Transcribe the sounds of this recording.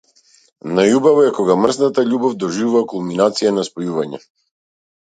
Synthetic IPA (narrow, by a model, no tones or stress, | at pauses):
najubavɔɛkɔɡamr̩znat̪aʎubɔvd̪ɔʒivuvakulˠminat̪sijanaspɔjuvaɲɛ̰